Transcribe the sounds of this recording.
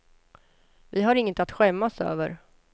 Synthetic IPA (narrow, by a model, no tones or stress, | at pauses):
vɪɦaɾɪŋːət̪at̪ɧɛmːasø̰ːvə̰ɾ